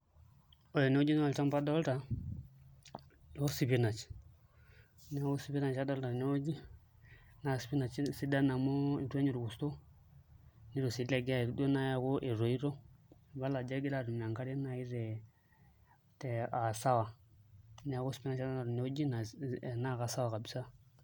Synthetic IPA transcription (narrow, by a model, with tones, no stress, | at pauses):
o˨jɔ˨ne˨˦o˦d͡ʒi˦na˦˨lta˦mpa˦dɔ˦lta˨˦ | o˦si˦pi˦na˨t͡ʃ | nɛ˦ɡo˦si˦bi˦na˨t͡ʃa˦dɔ˦lta˨ne˦o˦d͡ʒi˦ | na˨si̥˨pi˦na˨t͡ʃsi˦da˦na˨mo˦i˨te˦ɲi˨ɾu˨ku˨sto˦ | ni˦ɾo˨si˨˦la˦˨ɡi˦a˦˨ɾde˦na˦ja˨ku˦ʔe˨ɾo˨i˦ɾo˦˨ba˦la˨d͡ʒa˦ɡi˦la˨ɾu˨m˨a˨ŋka˦ɾe˦na˨i˦ɾɛ˨ | tɛ˨a˨sa˦wa˨ | nɛ˨a˨˦ɡu˦si̥˨pi˦na˨t͡ʃa˦da˦na˨ɾne˨˦o˦d͡ʒi˦na˨na˦˨ka˨sa˦wa˨ka˨bi˨sa˦